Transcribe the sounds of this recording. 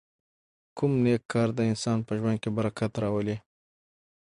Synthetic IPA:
kʰʊmnekʰːɑɾd̪əɪnsɑnpəʒwand̪̚kebaɾakʰat̪ɾɑwəle

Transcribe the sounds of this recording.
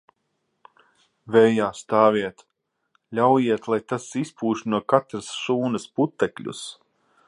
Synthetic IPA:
vɛjaːst̪aːviɛt̪ | lʲawjiɛt̪lˠajt̪asispʰuːʃnuɔkat̪ɾɐsʃuːnɐsput̪ːɛklʲṵs

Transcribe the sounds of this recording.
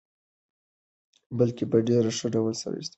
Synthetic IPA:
bəlkepaɖeɾaʂəɖawəlsa̰ɾa̰wḭst̪

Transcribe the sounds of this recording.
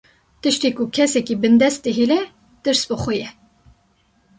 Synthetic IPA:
t̪ɨʃt̪iːkukʰɛsɛkibɨnd̪ɛst̪̚d̪ɨɦilɛ | d̪̥ɨɾsbɨxʷʊjɛ

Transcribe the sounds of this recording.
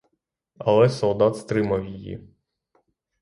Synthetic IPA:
ɐ̰lˠɛsɔlˠd̪ɑt̪st̪ɾɪmɐwjijḭ

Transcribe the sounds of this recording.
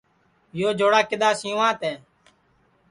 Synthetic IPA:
joːd͡ʒʱoːɽaːkɪɗ̪aːsĩːʋãːt̪ɛː

